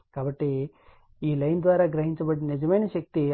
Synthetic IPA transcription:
kaːbɐʈːe | iːlɐjnd̪ʋaːɾɐɡɾɐɦiɲt͡ʃɐbɐɽinid͡ʒɐmɐjnɐʃɐk̚t̪i

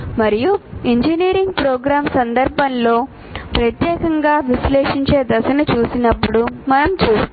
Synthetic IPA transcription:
mɐɾijuiɲd͡ʒiniːɾiŋɡpɾoːɡɾaːmsɐnd̪ɐɾbʱɐnlo̞ː | pɾɐt̪jɛːkɐŋɡaːʋisleːʂiɲt͡ʃeːd̪ɐsɐnɐt͡ʃuːsinɐpːuɽumɐnɐmt͡ʃuː

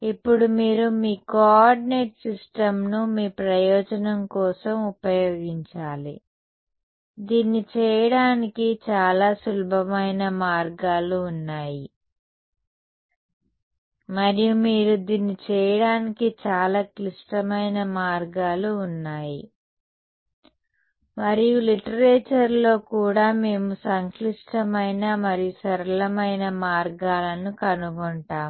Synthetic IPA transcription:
ipːuɽumiːɾumiːkoɔaɾɖineːʈsisʈɐmnumiːpɾɐjɔːd͡ʒɐnɐmkɔːsɐmupɐjoːɡiɲt͡ʃaːlḭ | d̪iːnːit͡ʃɛːjɐɽaːnikit͡ʃaːlaːsulbʱɐmɐjnɐmaːɾɡaːluːnːaːji | mɐɾijumiːɾud̪iːnit͡ʃɛːjɐɽaːnikit͡ʃaːlaːkliʂʈɐmɐjnɐmaːɾɡaːluːnːaːji | mɐɾijuliʈɐɾeːt͡ʃɐɾlo̞ːkuːɽaːme̞ːmusɐŋkliʂʈɐmɐjnɐmɐɾijusɐɾɐlɐmɐjnɐmaːɾɡaːlɐnukɐnuɡɔɳʈaːm

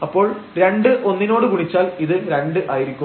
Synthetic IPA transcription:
ɐpːo̞ːɭɾe̞ɳɖɨʔo̞nːino̞ːɽɨkuɳit͡ɕːaːliðɨɾe̞ɳɖɨʔaːjiɾikʲːu

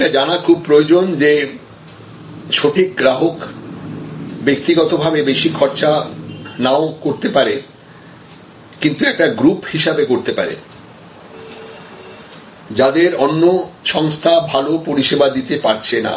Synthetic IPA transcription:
ʈad͡ʑanakʰub̚pɾood͡ʑond͡ʑe | ʃoʈʰik̚ɡɾaɦok | bek̚t̪iɡɔt̪obʱabebeʃikʰɔɾt͡ɕanaokoɾt̪epaɾe | kint̪uɛk̚ʈaɡɾuphiʃabekoɾt̪epa̰ɾḛ | d͡ʑad̪eɾɔnːoʃɔŋst̪ʰabʱalopoɾiʃebad̪it̪epaɾt͡ɕʰena̰

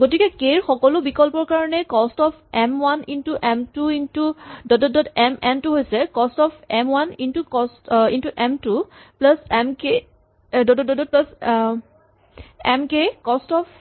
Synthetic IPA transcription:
ɡotikɛkeɹxɔkɔlʊbikɔlpɔɹkaɹɔnɛkɔstɔpʰɛmwanintuʔɛmtuintudɔdɔdɔdɛmɛmtuɦojsɛkɔstɔpʰɛmwanintukɔstintuʔɛmtupləsɛmke | dɔdɔdɔdɔt̚plas | ɛmkekɔstɔpʰ

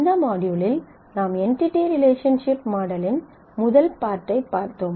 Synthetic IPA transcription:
nd̪ɐmaːɽɪjuːlɪl | naːmɛɳʈɪʈːiɾɪleːʂɐnʂɪpmaːɽɐlɪn | mʊðɐlpaːɾʈːɐɪpːaːɾt̪oːm

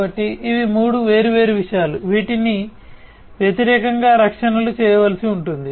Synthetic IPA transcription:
ɐʈːiʔiʋimuːɽuʋe̞ːɾuʋe̞ːɾuʋiʂɐjaːluʋiːʈini | ʋjɐt̪iɾɛːkɐŋɡaːɾɐkʂɐnɐlut͡ʃɛːjɐʋɐlɐsiuɳʈund̪i

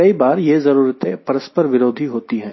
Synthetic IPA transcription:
ɐibaːɾjezɐɾuːɾət̪ẽpɐɾəspəɾʋɪɾoːd̪ʱiɦoːt̪iɦɛ̃ː

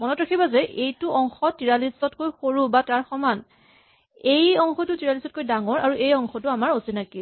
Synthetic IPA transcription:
mɔnɔtɹakʰibazɛʔejtʊʔɔŋxɔtiɹalisɔtkojxoɹubataɹxɔman | ejɔŋxɔtʊtiɹalisɔt̚kojdaŋɔɹaɹuʔejɔŋxɔtʊamaɹosinaki

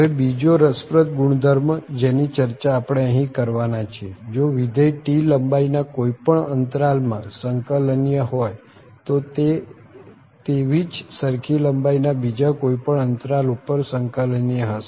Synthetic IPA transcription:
əʋebid͡ʒoɾəspɾət̪ɡuɳd̪ʱəɾmd͡ʒenit͡ʃəɾt͡ʃaːpɽ̃eə̃ɦĩkəɾʋanat͡ʃʰied͡ʒoʋid̪əjʈiləmbainakoipəɳənt̪ɾalmã̰səŋkəlnijəɦoj | t̪ot̪e | t̪eʋid͡ʒsəɾkʰiləmbainabid͡ʒakoipəɳənt̪ɾalupəɾsəŋkəlnijəɦəʃ

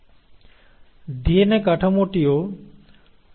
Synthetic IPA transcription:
d̪ienekaʈʰamoʈio

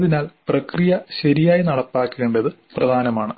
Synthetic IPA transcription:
ðinaːlprɐkrijɐɕɐɾijaːjinɐɽɐpːaːkːeːɳɖɐðɨ | prɐd̪ʱaːnɐmaːɳɨ

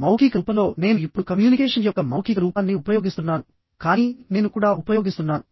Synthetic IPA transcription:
mɐwkikɐuːpɐlo̞ːne̞ːnuipːuɽukɐmjuːnikɛːʂɐnjɔkːɐmɐwkikɐɾuːpaːnːiupɐjo̞ːɡist̪unːaːnu | kaːniːne̞ːnukuːɽaːʔupɐjo̞ːɡist̪unːaːnu

